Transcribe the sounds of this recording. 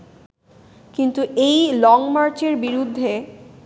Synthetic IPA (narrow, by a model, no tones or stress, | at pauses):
kint̪uʔejlɔŋmaɾt͡ɕeɾbiɾud̪ʱːe